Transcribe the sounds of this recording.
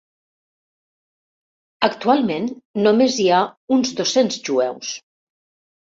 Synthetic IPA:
əkt̪ualˠmenːomeziaunzðosenzʒuɛ̰ws

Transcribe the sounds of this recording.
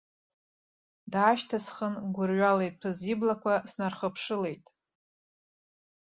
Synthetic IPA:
daːʃtʰasχənɡʷʊrɥʷale̞jtʼpʰɨziblakʷʰasnarχəpʰʂɨle̞jtʼ

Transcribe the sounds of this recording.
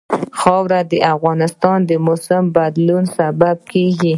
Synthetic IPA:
xɑwɾad̪əʔafɣɑnɪst̪ɑnd̪əmʊsɪmbad̪lunsabab̚keɡi

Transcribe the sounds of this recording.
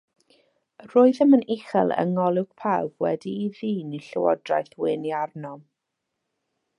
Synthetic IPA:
roːɨðəmənɪχɛ̰lˠə̰ŋɔlˠɪwɡ̥̚pʰawb̥wɛ̰diːðiːniɬə̰wɔ̰drajθwɪniarnɔ

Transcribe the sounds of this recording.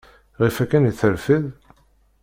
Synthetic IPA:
ʁifækːæniθəɾfið

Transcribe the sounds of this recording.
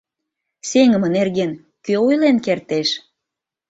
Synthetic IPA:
seŋə̆mənerɣen | køojlenkert̪eʃ

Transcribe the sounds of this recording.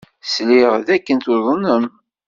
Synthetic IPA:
sliʁðækːənt̪oðˤənəm

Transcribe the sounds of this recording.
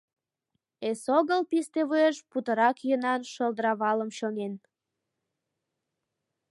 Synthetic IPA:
esoɣəlpist̪eβueʃput̪əɾɑkjənɑnʃəlˠd̪əɾɑβɑləmɕonen

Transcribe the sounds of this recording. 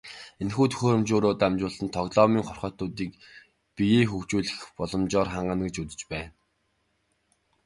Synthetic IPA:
enxuːt̪ʰɵ̥xoːɾɵ̆mt͡ɕʊːɾoːt̪amt͡ɕʊːɮə̆nt̪ʰɔɣɮɔːmiːŋχɔrχœːt̪ʊːt̪iːk̚ | pijiːxukt͡ɕuːɮɘ̆xpɔɮɞ̆mt͡ɕɔːrχaɴɢə̆nɡĕt͡ɕut̪ɘ̥̆t͡ɕpæːn

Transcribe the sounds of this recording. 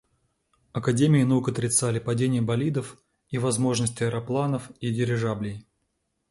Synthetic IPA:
ɐkɐdʲemʲɪɪnɐukɐt̪ɾʲɪt̪salʲɪpɐdʲenʲɪjəbɐlʲid̪əf | ivɐzmo̞ʐnəsʲtʲɪɐɾɐplˠanəfidʲɪɾʲɪʐablʲɪj

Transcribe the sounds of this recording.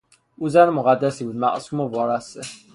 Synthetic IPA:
uːzænmoɣæd̪ːæsiːbuːd̪mæ̰ʔsuːmovɒːɾæst̪e

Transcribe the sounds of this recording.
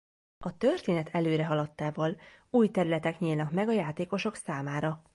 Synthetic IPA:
ɒt̪ørt̪eːnɛt̪ʰɛløːɾɛɦɒlɒt̪ːaːvɒluːjt̪ɛɾylɛt̪ɛkɲiːlnɒkmɛɡɒjaːt̪eːko̞ʃo̞ksaːmaːɾɒ

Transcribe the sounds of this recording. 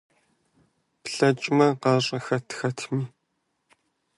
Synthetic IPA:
pɬɐt͡ʃʼmɐqɑːɕʼɐxɐtʰxɐtʰmiː

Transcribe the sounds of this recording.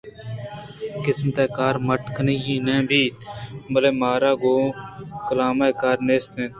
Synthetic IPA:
kɪsmət̪ɛːkaːɾməʈkʰənijĩːnɛ̃ːbʱiːt̪məleːmaːɾaːɡoːkəlaːmaːkaːɾneːst̪nẽː

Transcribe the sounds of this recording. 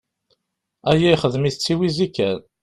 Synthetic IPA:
æjijχəðmiθət͡sːiwizikːæn

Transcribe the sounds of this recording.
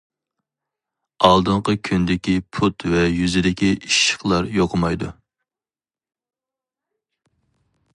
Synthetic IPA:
ɑlˠd̪ɨɴqəkʲʰynd̪ɪkʲipʰut̪vɛjyzɪd̪ɪkʲiiʃːə̥χlˠɑɾjoqʰəmɑjd̪u

